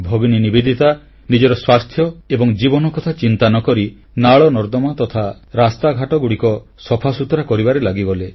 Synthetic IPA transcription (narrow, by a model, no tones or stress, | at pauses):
bʱɔbininibed̪ʱit̪a | nid͡ʒɔɾɔswast̪ʰjɔebɔŋd͡ʒibɔnɔkɔt̪ʰat͡ʃint̪anɔkɔɾi | naɭɔnɔɾd̪ɔmat̪ɔt̪ʰa | ɾast̪aɡʱaʈɔɡuɽikɔ | sɔpʰasut̪ɾakɔɾibaɾelaɡiɡɔle